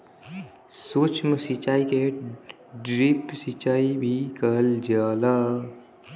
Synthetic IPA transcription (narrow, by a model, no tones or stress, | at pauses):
soːt͡ʃmsit͡ʃaːike | ɖɾipsit͡ʃaːibʱikəld͡ʒaːla